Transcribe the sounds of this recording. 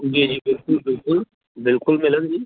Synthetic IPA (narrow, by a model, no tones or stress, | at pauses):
ʊɡed͡ʑiːbɪlkʊlbɪlkʊl | bɪlkʊlmɪlə̃nd͡ʒiː